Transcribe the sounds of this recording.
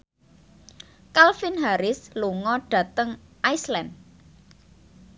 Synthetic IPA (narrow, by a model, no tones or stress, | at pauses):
kalfɪnɦaɾɪsluŋɔɖ̥ä̤t̪əŋʔajslɛm